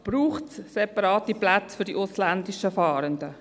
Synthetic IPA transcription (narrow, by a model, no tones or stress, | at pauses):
b̥ɾuːχtssɛpɑɾɑːt̪iplat͡sfʏɾdiʔʊsland̪iʃəfɑːɾəndə